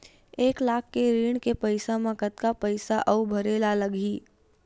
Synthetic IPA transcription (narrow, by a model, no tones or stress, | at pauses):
eːklaːkʰːeɾiːɽ̃kepəɪsamãkət̪kapəɪsaʔəʊbʱəɾeːlaləɡiː